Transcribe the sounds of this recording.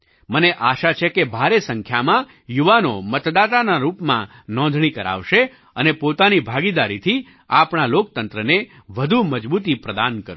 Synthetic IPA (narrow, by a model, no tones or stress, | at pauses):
məneʔaʃat͡ʃʰekebʱaɾesəŋkʰjamã | juʋanomət̪d̪at̪anaɾupmã | nɔ̃nd̪ʱɳ̃ikəɾa̰ʋʃe | ənepot̪anibʱaɡid̪aɾit̪ʰi | apɳalok̚t̪ənt̪ɾəne | ʋəd̪ʱuməd͡ʒbut̪̬ipɾəd̪ankəɾũ